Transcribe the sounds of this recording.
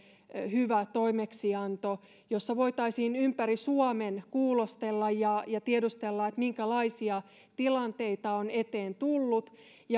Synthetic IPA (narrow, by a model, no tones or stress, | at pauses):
hyʋæt̪oimeksiɑnt̪o | josːɑʋo̞it̪ɑisiːnympærisuɑmenkuːlost̪elːɑjjɑjɑt̪iedust̪elːɑet̪miŋkælɑisiɑ | t̪ilɑnt̪e̞it̪ɑonet̪eːnt̪ulːut̪ | jɑ